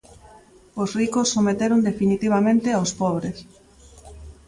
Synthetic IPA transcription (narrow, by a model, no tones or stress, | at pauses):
osrikosːomet̪eɾond̪efinit̪iβ̞amẽnt̪eawspɔβɾes